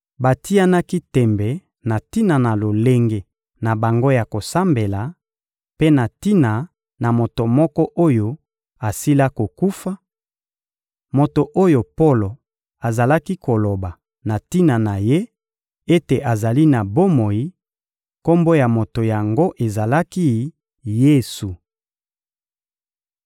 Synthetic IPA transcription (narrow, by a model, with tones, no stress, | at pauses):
ba˨ti˦ja˦na˦ki˦tɛ˨mbɛ˨ | na˨ti˦na˨na˨lo˨le˦ŋɡe˨ | na˨ba˨ŋɡo˦ja˨ko˨sa˦mbe˨la˨ | pe˦na˨ti˦na˨ | na˨mo˨to˨mɔ˦kɔ˦ʔo˦jo˦ | a˨si˦la˦ko˨ku˦fa˦ | mo˨to˨ʔo˦jo˨po˦lo˨ | a˨za˨la˦ki˦ko˨lo˨ba˨ | na˨ti˦na˨na˨je˦ | e˦te˨ʔa˨za˨li˦na˨bo˦mo˨ji˦ | ko˦mbo˦ja˨mo˨to˨ja˨ŋɡo˦ʔe˨za˨la˦ki˦ | je˦su˨